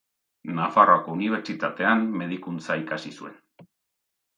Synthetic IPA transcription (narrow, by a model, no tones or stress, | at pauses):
nafaroako̞uniβ̞eɾt͡ʃit̪at̪e̞anme̞ð̞ikunt͡saikasisue̞n